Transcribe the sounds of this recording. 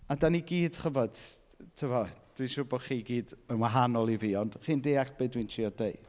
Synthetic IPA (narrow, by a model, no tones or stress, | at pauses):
adaniɡiːd̥χəvɔd̥ | tʰəvɔd̥winʃʊbɔχiːɡiːdənwaɦanɔlˠiviːɔnd̥χiːndeːakb̥eːdwintʰiːɔdeɨ